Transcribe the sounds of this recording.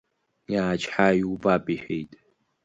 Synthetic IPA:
jaːt͡ʃʰʼħajubʼapʼiħᶣejtʼ

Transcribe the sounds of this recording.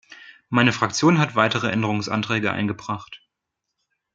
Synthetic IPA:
maɪnəfʁ̥ak̚t͡sjoːnɦatv̥aɪtəʁəʔɛndəʁ̞ʊŋsʔa̰ntʁ̥ɛːɡəʔa̰ɪnɡəbʁaχt

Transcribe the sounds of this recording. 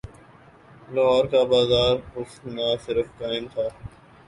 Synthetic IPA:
laɦɔːɾkaːbaːzaːɾʊsnasɪɾəfkaːɪmt̪ʰaː

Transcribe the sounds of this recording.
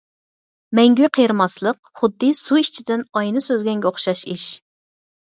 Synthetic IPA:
mɛŋɡʲyqʰejɾɨmɑslˠəq̚ | χʊd̪ːɨsuiʃt͡ʃʰid̪ɪnɑjnɨsøzɡʲɛŋɡʲɛoχʃɑʃiʃ

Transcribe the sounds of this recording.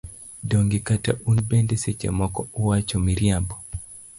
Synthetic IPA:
doŋɡikata̰ʔunbendeset͡ʃḛmɔkɔʊwat͡ʃɔmiɾjambɔ

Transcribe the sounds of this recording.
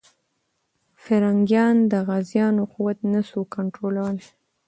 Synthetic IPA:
faɾɑŋɡjɑnd̪əɣazjɑnoquwat̪nasukaɳʈɾolawəl

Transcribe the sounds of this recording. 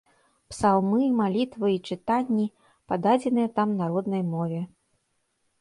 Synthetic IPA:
psalˠmɨmalʲit̪vɨit͡ʂɨt̪anʲːi | pad̪ad͡zʲɛnɨjɐt̪amnaɾɔd̪nɐjmɔvʲɛ

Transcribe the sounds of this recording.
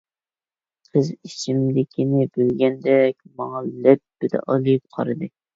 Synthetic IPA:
qʰəzit͡ʃʰimd̪ɪkʲʰinɪbylɡʲɛnd̪ɛkʲmɑŋɑlɛt̪̚b̥ɪd̪ɛ̰ʔɑlɨp̚qʰɑ̰ɾɨd̪ɨ

